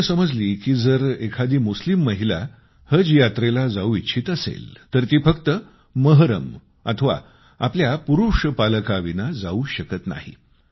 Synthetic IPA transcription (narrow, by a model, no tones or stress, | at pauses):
səməd͡zliːkiːd͡zəɾekʰad̪iːmuslimːəɦila̰ | həd͡zjat̪ɾelad͡zauitːɕʰiːt̪əsḛlt̪əɾt̪iːfəkt̪ə | məɦɾə̰m | a̰t̪ʰəʋa̰ | apljapuɾuʂpaləkaʋinad͡zauːɕəkət̪na̰ɦḭ